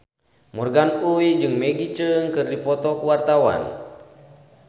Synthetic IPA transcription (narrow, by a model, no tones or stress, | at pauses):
mɔrɡanuid͡ʒɨŋmɛɡit͡ʃəŋkɨrdipɔt̪ɔkuwart̪awa̰n